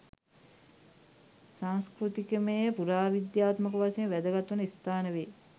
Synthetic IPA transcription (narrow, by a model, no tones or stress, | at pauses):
saŋskɾut̪ikəmejəpuɾaːʋid̪jaːt̪məkəʋasejəʋæd̪əɡat̪ʋunəist̪aːnəʋeː